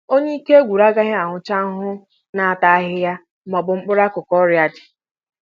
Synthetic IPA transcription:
o˦ɲe˦i˦ke˦ɡʷu˨ɾa˦ɡa˦ɦɪ˦a˨ŋʊ˨t͡ʃa˦ŋ˦ɦʊ˦ | na˨a˨ta˨a˦ɦɪ˦ja˦ | mɔ˨bʊ˨ŋ͡m̩˦k͡pʊ˦ɾa˦kʊ˨kɔ˦ɾja˦dɪ̥˨

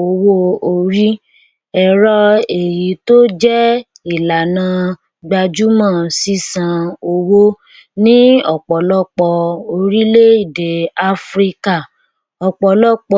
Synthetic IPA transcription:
o˧wo˦o˧ɾi˦ | ɛ˨ɾɔ˦e˨ji˨˦to˦d͡ʒɛ˦ | i˦˨la˨nã˧˦ | ɡ͡ba˧d͡ʒu˦mã˦˨si˦sã˧o˧wo˦ | nĩ˦ɔ˦˨k͡pɔ˨lɔ˦˨k͡pɔ˧o˧ɾi˦le˦i˦˨de˨a˧fɾi˦ka˦˨ | ɔ˨k͡pɔ˨lɔ˦k͡pɔ˧

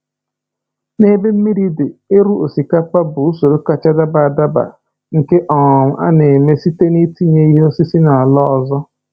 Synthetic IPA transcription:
ne˦be˦m̩˦mi˦ɾi˦de˨e˦ɾu˦o˨si˨ka˦pa˦bʊ˨u˦so˨ɾo˦ka˨t͡ʃa˦da˦ba˨a˨da˦ba̰˨ | ŋ̩˨ke˦ʔɔ˨ŋ̩˨ʔa̰˦ne˨me˦si˦te˦ni˦ti˦ɲe˦i˦ɦo˦si˦si˦na˨a˨lɔ˦ɔ˨zɔ˦

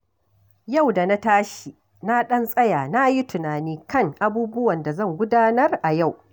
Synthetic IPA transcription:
ja˦˨wda˨na˦taː˦ʃi˨ | na˦ɗɐ˦nsʼɐ˦jaː˨na˦ji˦tʊ˨naː˨niː˦kɐ˦˨ŋʔa˦buː˦bʊ˦wɐ˨nda˨zɐ˦˨ŋɡʷʊ˦daː˦nɐ˦rʔa˨ja˦˨w

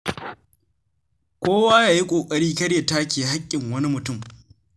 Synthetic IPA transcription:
kʷoː˦waː˦jaː˨ji˦kʷʼoː˨kʼɐ˦ɽiː˦kɐ˦ɽje˨taː˦kʲeː˨ɦa˦kʲʼːɪ˨ŋwɐ˦ni˦mʊ˨tʊ˦˨m

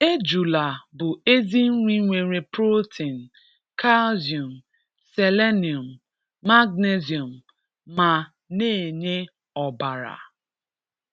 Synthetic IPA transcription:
e˦d͡ʒu˨la˨bʊ˨e˦zi˦ŋ̩˦ŋʷi˦ŋʷe˨ɾe˨pɾo˦tʰi˨n̩˨ | ka˦lzi˨u˨m̩˨ | se˨le˦ni˨o˨m̩ː˨ | a˦ɡne˦zjo˨m̩˨ | ma˨ | neː˦˨e˨ɲe˦ | ɔ˨ba˨ɾa̰˨

